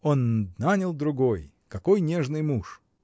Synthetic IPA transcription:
o̞nnanʲəlˠd̪ɾʊɡo̞j | kɐko̞jnʲeʐnɨjmuʂ

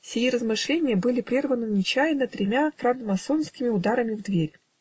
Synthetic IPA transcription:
sʲɪjiɾəzmɨʂlʲenʲɪjəbɨlʲɪpɾʲirvənɨʊnʲɪt͡ɕæjɪnət̪ɾʲɪmʲafɾant̪mɐsonskʲɪmʲɪʊd̪aɾəmʲɪvd̪vʲeɾʲ

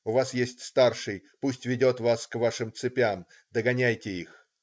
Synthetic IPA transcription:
ʊvasjesʲtʲst̪arʂɨjpusʲtʲvʲɪdʲot̪vaskvaʂɨmt̪sɨpʲam | d̪əɡɐnʲæjtʲɪix

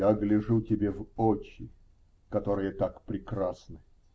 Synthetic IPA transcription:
aɡlʲɪʐutʲɪbʲevot͡ɕːɪ | kɐt̪o̞ɾɨjət̪akpɾʲɪkrasnɨ

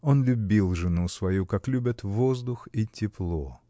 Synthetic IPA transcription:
o̞nlʲʊbʲilˠʐɨnusvɐjukaklʲʉbʲət̪vozd̪ʊxitʲɪplˠo

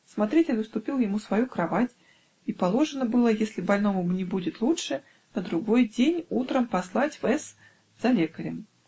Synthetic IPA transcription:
smat̪ɾʲɛtʲɪlʲɨst̪ʊpʲilˠjamusvajukɾavat͡sʲ | ipalˠɔʐɨnəbɨlˠəjesʲlʲɪbalʲnɔmʊbnʲɪbudʲɪt̪lˠutʂɨ | nɐd̪ɾʊɡɔjd͡zʲenʲut̪ɾəmpaslˠat͡sʲvɛs | z̥ɐlʲekɐɾʲɛm

